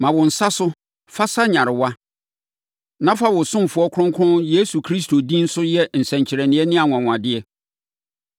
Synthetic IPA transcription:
mã˨wʊ̃˨n̩˨sa˦sʊ˦ | fa˦sa˦ɲã˨ɾɪ˨wa˦ | nã˦fa˦wʊ̃˨sʊ̃˦m̩˨fʊ˨˦ɔ˦kʰʊ˦ʊ̃˦ŋkʰʊ̃˦nje˦su˨kʰɾi˦stʰo˨dĩ˦n̩˦sʊ˦jɛ˦n̩˨sɛ̃˨ɲ˨t͡ɕʰɪ˨ɾɛ˨nɪ̃˨ɛ˦nɪ̃˦a˨ŋʷ˨ã˨ŋʷ˨ã˨dɪ˦ɛ˦

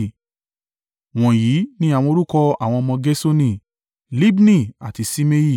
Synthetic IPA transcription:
w̃ɔ̃˨ji˨˦nĩ˦a˦˨w̃ɔ̃˧o˧ɾu˦kɔ˧a̰˨w̃ɔ̃˧mɔ̃˧ɡe˦so˦nĩ˦˨ | li˦bnĩ˦˨a̰˨ti˧si˦me˦ji˦˨

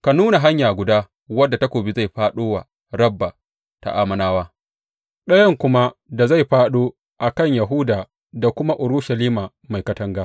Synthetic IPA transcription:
ka˨nuː˦na˨ɦa˦ɲjaː˨ɡʷʊ˨daː˦ | wɐ˦dːa˨tɐ˦kʷoː˨bi˦za˦˨jɸaː˦ɗoː˦waː˨ | ɽɐ˦bːa˨ | ta̰˨ʔaː˦mɐ˨naː˦waː˦ | ɗɐ˦jɐ˦ŋkʷʊ˦ma˦da˨za˦˨jɸaː˦ɗoː˦ | ʔa˨kɐ˦˨ɲja˨ɦʊ˦daː˨ | da˨kʷʊ˦ma˦ʔʊ˨ɾʊ˦ʃɐ˨liː˦maː˨ | ma˨jkɐ˦tɐ˦ŋɡaː˦

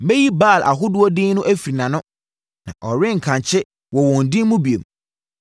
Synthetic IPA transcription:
mɛ˦ji˦baː˦˨lʔa̰˨ɦʊ˦dʊ˦ɔ˦dɪ˦n˦nʊ̃˦ʔæ˦fi˨ɾi˨nã˨nʊ̃˦ | nã̰˨ʔɔ˨ɾɪ̃˦ŋ̩˨kʰã˨ɲ˨t͡ɕʰɪ˦ | wɔ˨wɔ̃˨n̩˨dĩ˦mũ˦bi˨ḛ˨m

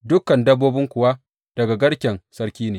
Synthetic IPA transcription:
dʊ˦kːɐ˨ndɐ˦bːoː˦bɪ˦ŋkʷʊ˨wa˦ | d̥ɐ˨ɡa˨ɡɐ˦ɽkʲɛ˨nsɐ˦ɽkʲiː˦neː˨

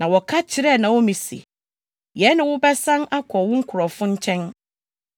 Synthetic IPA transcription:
nã˨wɔ˨kʰa˦t͡ɕʰɪ˨ɾɛ˦˨nã˨wɔ˦mĩ˨sḭ˨ | jɛ˨˦nɪ̃˨wʊ˦bɛ˦sã˦na˦kʰɔ˨wʊ̃˦ŋ̩˦kʰʊ˨ɾɔ˨fʊ̃˦ɲ˦t͡ɕʰɛ̃˦n

